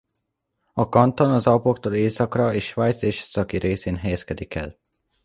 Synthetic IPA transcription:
ɒkɒnt̪o̞nɒzɒpo̞kt̪oːleːsɒkrɒeːʃʃʋajt̪seːʃsɒkiɾeːseːnɦɛjɛskɛd̪ikɛ̰l

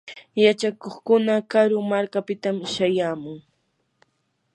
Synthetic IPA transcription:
jat͡ʃakoχkʊnakaɾʊmaɾkapɪt̪amʃajaːmʊŋ

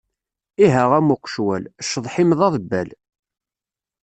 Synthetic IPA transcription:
iɦæʁæmʊqːʃwæ̰lʃːəðˤħɪmðˤɑðˤbːæl

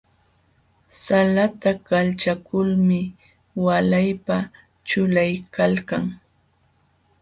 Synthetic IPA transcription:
salat̪akalt͡ʃakʊlmɪ | walajpa | t͡ʃʊlajkalkaŋ

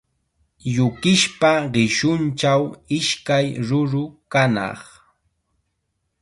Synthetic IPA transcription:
ʎʊkɪʃpaɢɪʃʊnt͡ʃawɪʃkajɾʊɾʊkanɑ̰χ

